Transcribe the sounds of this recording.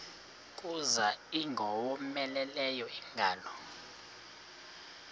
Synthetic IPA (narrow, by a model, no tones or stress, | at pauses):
kʼuzaiŋɡʱɔwɔmɛlɛlɛjɔiŋɡʱaːlɔ